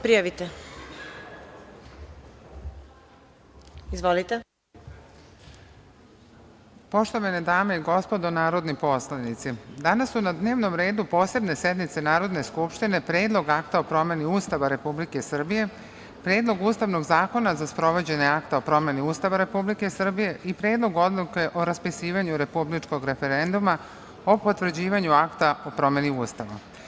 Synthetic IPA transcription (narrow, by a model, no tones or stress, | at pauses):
pɾijaʋit̪e | izʋolit̪e | po̞ʃt̪o̞ʋaned̪aːme̞iɡo̞spo̞d̪o̞naːɾo̞d̪nipo̞slanit̪sid̪anasːunad̪ne̞ːʋno̞mɾe̞ːd̪upo̞ːse̞bne̞sje̞d̪nit̪se̞naːɾo̞d̪ne̞skupʃt̪ine̞pɾeːd̪lˠo̞ɡakt̪aopɾo̞me̞niuːst̪aʋaɾe̞publike̞sr̩bije̞ | pɾeːd̪lo̞ɡuːst̪aʋno̞ɡzaːko̞nazaspɾo̞ʋo̞d͡ʑeɲeakt̪aopɾo̞me̞niuːst̪aʋaɾe̞publike̞sr̩bije̞ʔipɾe̞ːd̪lo̞ɡo̞d̪luke̞ʔo̞ɾaspisiːʋaɲuɾe̞publit͡ʃko̞ɡɾe̞fe̞ɾe̞nd̪uma | o̞po̞t̪ʋr̩d͡ʑiːʋaɲuakt̪ao̞pɾo̞me̞niuːst̪aʋa̰